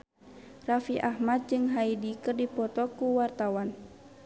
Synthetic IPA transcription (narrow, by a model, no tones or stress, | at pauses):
rafiʔahmat̪̚d͡ʒɨŋɦaidikɨrdipɔt̪ɔkuwart̪awan